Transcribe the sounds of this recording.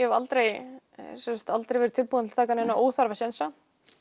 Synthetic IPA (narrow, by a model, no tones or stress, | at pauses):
ɛhɛvalt̪ɾej | sɛnsḁt̪alt̪ɾejvɛɾʏ̥t̪ʰɪlpuːðanɪ̥t̪ʰaːkanɪnaʔoːwθaɾvasɛnsa